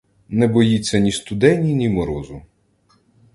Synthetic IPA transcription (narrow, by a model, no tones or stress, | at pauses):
nɛbɔjit͡sʲːɐnʲist̪ʊd̪ɛnʲinʲimɔɾɔzʊ